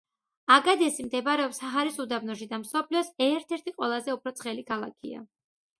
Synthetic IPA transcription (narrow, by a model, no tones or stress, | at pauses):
aɡad̪ɛsimd̪ɛbɾɛɔpsaɦaɾisud̪abnɔʃ̬id̪amsɔpʰliɔsɛɾt̪ʰɛɾt̪ʰiqʼwɛlˠazɛupʰɾɔt̪sʰχɛlikʰalˠa̰kʰḭa̰